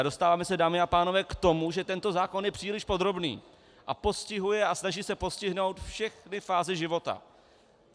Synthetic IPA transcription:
ado̞st̪aːvaːmɛsɛdaːmɪapaːno̞vɛːkt̪o̞muʒɛt̪ɛnt̪ozaːko̞njɛpr̥iːlɪʃpo̞d̪ɾo̞bnḭː | ʔapo̞scɪɦujɛasnaʒiːsɛpo̞scɪɦno̞wt̪fʃɛxnɪfaːzɪʒɪvo̞t̪a̰

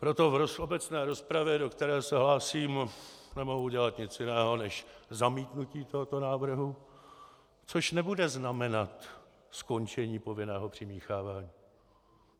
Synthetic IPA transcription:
pɾo̞t̪o̞vɾosobɛt͡snɛːɾo̞spɾavjɛdo̞kt̪ɛɾɛːsɛɦlaːsiːmnɛmo̞ɦuɟɛlat̪ɲɪt͡sjɪnɛːɦo̞nɛʃzamiːt̪nuciːt̪o̞ɦot̪o̞naːvr̩ɦu | t͡so̞ʃnɛbudɛznamɛnat̪ | sko̞nt͡ʃɛɲiːpo̞vɪnɛːɦo̞pr̝̥ɪmiːxaːvaːɲiː

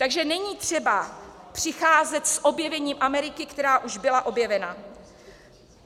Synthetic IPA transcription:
t̪aɡʒɛnɛɲiːt̪r̝̥ɛbapr̝̥ɪxaːzɛt̪sʔo̞bjɛvɛɲiːmʔamɛɾɪkɪkt̪ɛɾaːʔuʒbɪlaʔo̞bjɛvɛna

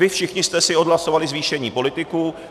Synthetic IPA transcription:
ɪfʃɪxɲɪst̪ɛsɪo̞dɦlaso̞valɪzviːʃɛɲiːpo̞lɪt̪ɪku

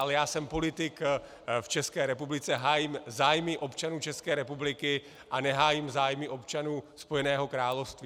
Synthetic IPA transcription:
alɛjaːsɛmpo̞lɪt̪ɪk | ft͡ʃɛskɛːɾɛpublɪt͡sɛɦaːjɪmzaːjmɪʔo̞pt͡ʃanuːt͡ʃɛskɛːɾɛpublɪkɪ | ʔanɛɦaːjɪmzaːjmɪʔo̞pt͡ʃanuːspo̞jɛnɛːɦo̞kɾaːlofst̪vi

